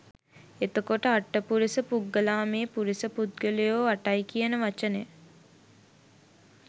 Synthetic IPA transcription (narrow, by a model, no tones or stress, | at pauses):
et̪okoʈəaʈːəpuɾisəpuɡːəlaːmeːpuɾisəpud̪̚ɡəlejoːaʈajkijənəʋat͡ʃəne